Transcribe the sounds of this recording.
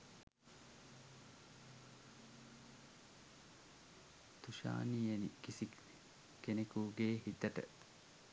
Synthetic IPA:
t̪uʃa̰ːnijenikisi | kenekuːɡeːhit̪ɐʈə̰

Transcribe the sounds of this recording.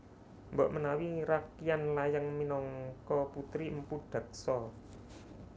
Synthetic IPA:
mbaʔmənawiɾakijanlajaŋminɔŋkɔput̪ɾiəmpuɖ̥a̤k̚sɔ

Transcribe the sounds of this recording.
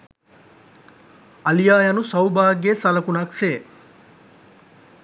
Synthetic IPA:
ɐlijaːjɐnusɐwbaːɡesɐlɐkunɐkseː

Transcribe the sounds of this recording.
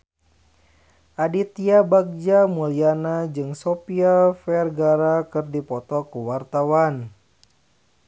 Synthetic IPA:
ʔadit̪iabak̚d͡ʒamulianad͡ʒɨŋsopialfɛrɡaɾakɨrdipɔt̪ɔkuwart̪awan

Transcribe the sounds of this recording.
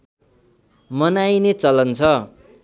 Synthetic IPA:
mʌnajnet͡sʌlʌnt͡sʰʌ

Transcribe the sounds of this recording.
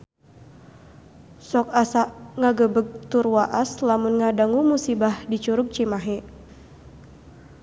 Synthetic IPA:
sɔk̚asaʔŋaɡəbəɡ̚t̪urwaʔaslamunŋadaŋumusibahdit͡ʃuɾʊk̚t͡ʃimaɦe

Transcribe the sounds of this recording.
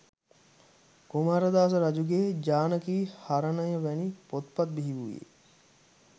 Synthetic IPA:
ɡumaːɾɐd̪aːs̬ɐɾɐd͡ʒuɡeːd͡ʒaːnɐkiːhaɾɐnɐjɐʋɛnipot̪pɐt̪̚biɦiʋuʋḭḛ

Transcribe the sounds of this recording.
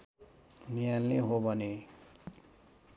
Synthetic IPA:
nijalːeɦobʱʌne

